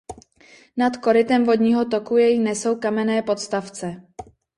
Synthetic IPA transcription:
nat̪ko̞ɾɪt̪ɛmvo̞d̪ɲiːɦo̞t̪okujɛjinɛso̞wkamɛnɛːpo̞t̪st̪aft͡sɛ

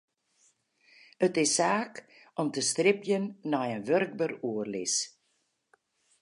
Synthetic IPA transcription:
ətɪsːaːk | ɔmtəstrɪpjənːɔjənʋørɡ̚bəruərlɪs

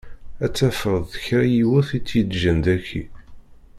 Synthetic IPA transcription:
æt͡sːæfəɾðˤðəçɾæjiwʊθit͡sːjəd̪ʒənd̪æçːḭ

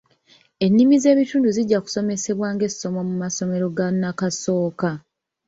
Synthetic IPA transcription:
e̞nːimize̞ːβituːnduziɟːaku̥so̞me̞se̞βwaːŋɡe̞si̥so̞mo̞mumaso̞me̞ɾo̞ɡanːakaso̞ːka

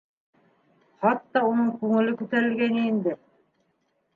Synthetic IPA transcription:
χɑt̪ːɑunɤŋkʉŋɘ̆lɘkʉt̪æɾɘ̆lɡænɘind̪ɘ

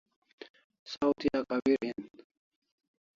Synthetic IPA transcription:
sawt̪ijakawiɾin

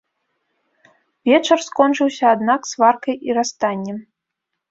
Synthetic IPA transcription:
vʲɛt͡ʂɐrskɔnt͡ʂɨwsʲɐad̪naksvarkɐjiɾast̪anʲːɛm

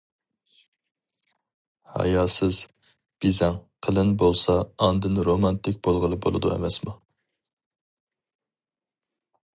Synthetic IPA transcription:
hɑ̰jɑːsɪz | b̥izɛŋqʰəlˠɪnbolˠsɑːnd̪ɨnɾomɑnt̪ɪkʲbolˠʁəlˠɨbolˠɨd̪uḛmɛsmu

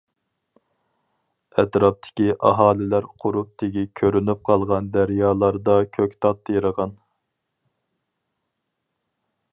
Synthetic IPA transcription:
ɛt̪ɾɑp̚t̪ʰɪ̥kʲiʔɑ̰ɦɑːlɪlæɾqʰʊɾup̚t̪ʰɪɡʲikʲʰøɾynyp̚qʰɑlˠʁɑnd̪æɾjɑːlˠɑɾd̪ɑkʲʰøkʲt̪ʰɑt̪ʰːɨjiɾəʁɑn

